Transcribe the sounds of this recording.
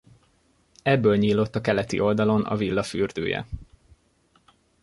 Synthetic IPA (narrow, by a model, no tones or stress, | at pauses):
ɛbːøːlɲiːlːo̞t̪ːɒkɛlɛt̪ḭʔo̞ld̪ɒlo̞nɒ̰vilːɒfyːrd̪ø̰ːjɛ̰